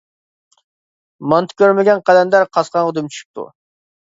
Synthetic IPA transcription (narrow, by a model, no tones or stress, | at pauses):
mɑnt̪ʰɪ̥kʲʰøɾmɪɡʲɛnqæd̪ɛnd̪æɾqʰɑsqɑnʊd̪ɪmt͡ʃʰy̥ʃy̥p̚t̪ʰṵ